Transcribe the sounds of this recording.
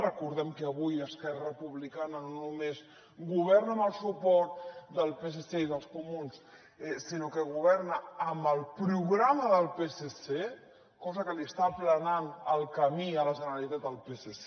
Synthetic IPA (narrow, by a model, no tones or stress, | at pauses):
rəkuɾðɛmkəəβ̞ujəskɛrəpuβlikanənnumes | ɡuβ̞ɛɾnəməlˠsupɔɾt̪d̪əlˠpeseseiðəlˠskumuns | ɛsinokəɣuβɛɾnaəmbəlˠpɾuɣɾaməðəlˠpesese | kɔzəkəliəst̪aplənanəlˠkəmiələʒənəɾalit̪at̪əlˠpesese